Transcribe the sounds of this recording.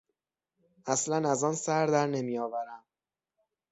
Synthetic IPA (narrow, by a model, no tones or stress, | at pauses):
ʔæslænæzɒːnsæɾd̪æɾne̞mijɒːvæɾæm